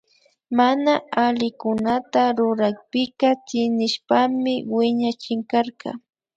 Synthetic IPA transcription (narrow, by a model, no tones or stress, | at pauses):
manaalɪkʊnat̪aɾʊɾakpɪkɑt͡ʃɪnɪʃpamɪwɪɲat͡ʃɪŋkaɾkɑ̰